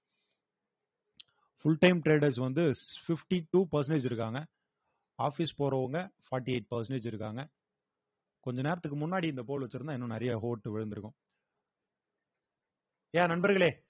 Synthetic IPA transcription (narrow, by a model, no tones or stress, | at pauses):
fʊɭʈɐɪmʈɾeːɖɐɾs̬ʋɐnd̪ɯfɪfʈiʈːuːpɐɾsɐneːd͡ʒɪɾɯkːaːŋɡɐ | aːfispoːɾɐʋɐŋɡɐfaːɾʈːieɪʈ̚pɐɾsɐneːd͡ʒɪɾɯkːaːŋɡɐ | kɔɲd͡ʒɐneːɾɐt̪ːɯkːɯmʊnːaːɽiɪnd̪ɐp̬oːɭʋɐt͡ʃːɯɾɯnãːɪɛnːʊ̃nɪɾɐjɐɦoːʈːɯʋɛɻɯnd̪ɪɾɯkːʊ̃ | jaːnɐnbɐɾɣɐɭeː